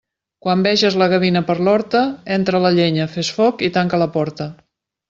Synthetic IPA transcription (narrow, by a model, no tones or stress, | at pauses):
kwambɛʒəzləɣəβinəpəɾlɔɾt̪əent̪ɾələʎeɲəfesfɔkit̪aŋkələpɔɾt̪ə